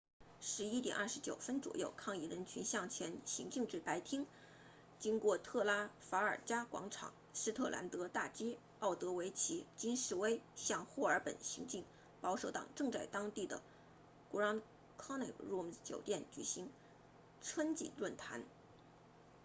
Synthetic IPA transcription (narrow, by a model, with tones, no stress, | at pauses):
ʂɻ̩˧˥i˥t̪jɛ̰˨˩nɐ˞˥˩ʂɻ̩˧˥t͡ɕjo˨˩ʊfə˥nt͡swɔ̰˨˩jo˥˧ʊkʰɑ˥˧ŋi˥˩ɻə˧˥nt͡ɕʰy˧˥nɕjɑ˥˩ŋt͡ɕʰjɛ˧˥nɕi˧˥ŋt͡ɕi˥˧ŋʈ͡ʂɻ̩˥˩pa˧˥ɪt̪ʰi˥ŋ | t͡ɕi˥ŋkwɔ˥˧t̪ʰɤ˥˩la˥fa˧˥ə˞˨˩t͡ɕja˥kwɑ̰˧˥ŋʈ͡ʂʰɑ̰˨˩ŋ | ʂɻ̩˥t̪ʰɤ˥˩lʔa̰˧˥nt̪ɤ˧˥t̪a˥˩t͡ɕi˥ | ɑ˥˩ʊt̪ɤ˧˥we˧˥ɪt͡ɕʰi˧˥t͡ɕi˥nʂɻ̩˥˩we˥ɪɕjɑ˥˧ŋxu˥˩ə˞˧˥pə̰˨˩nɕḭ˧˥ŋt͡ɕi˥˩ŋ | pɑ˧˥ʊʂo˧˥ʊt̪ɑ̰˨˩ŋʈ͡ʂɤ˥˧ŋt͡sa˥˩ɪt̪ɑ˥ŋt̪i˥˩d̪ə̰˩ | ku˧˥ɑ˥ŋ | kʰɑ˥ŋna˥˩ɻu˥mt͡ɕjo̰˨˩ʊt̪jɛ˥˩nt͡ɕy̰˨˩ɕi˧˥ŋ | ʈ͡ʂʰwə˥nt͡ɕḭ˨˩lwə˥˩nt̪ʰa̰˧˥n